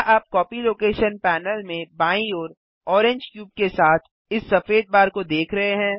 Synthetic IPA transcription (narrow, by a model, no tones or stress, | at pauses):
ʔaːp̚kɔːpiloːkeːʃənpɛːnəlmẽbaːĩoːɾ | ɔːɾẽɲd͡ʒkjuːb̚kesaːt̪ʰ | ɪsːɐfeːd̪̚baːɾkod̪eːkʰɾɐɦeɦɛ̃ː